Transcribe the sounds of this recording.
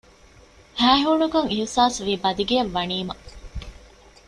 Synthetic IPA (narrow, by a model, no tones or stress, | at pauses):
hæːɦuːnukɐŋisaːsʋiːbɐd̪iɡeɐʋːɐniːmɐ